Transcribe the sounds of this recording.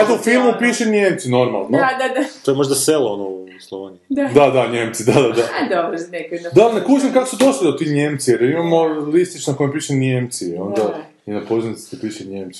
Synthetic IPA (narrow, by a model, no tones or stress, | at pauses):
at̪oufilˠmupiʃenjeːmt̪sino̞ɾma̰lˠnod̪ad̪at̪oemo̞ʒd̪aselˠoonouslˠoʋaɲud̪ad̪ad̪aɲemt̪sid̪ad̪ad̪ad̪obɾnekɐd̪anekuːt͡ʃemkakosud̪o̞ʃlid̪ot̪iɲeːmt̪sijeɾjeɾimamolist̪it͡ʃnakojempiːʃenemt̪sio̞̰nd̪a | inapozinit̪i̥t̪epiːʃeɲjemt̪i